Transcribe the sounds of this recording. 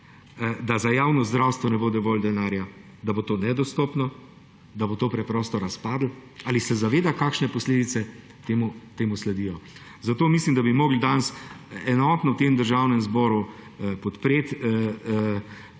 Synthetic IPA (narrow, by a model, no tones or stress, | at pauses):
d̪azajaːwnɔzd̪ɾawst̪ʋɔnɛboːd̪ɛʋoːld̪ɛnaːɾja | d̪abot̪oːnɛd̪ɔst̪ɔːpnɔ | d̪abot̪oːpɾɛpɾɔːst̪ɔɾaspaːd̪laːlisɛzaʋeːd̪akaːkʃnɛpɔsleːd̪it̪sɛ | t̪eːmut̪eːmuslɛd̪ijɔ | zat̪oːmislimd̪abimɔːɡld̪ansɛnɔːt̪nɔwt̪emd̪əɾʒaːwnɛmzbɔːɾupɔt̪pɾeːt̪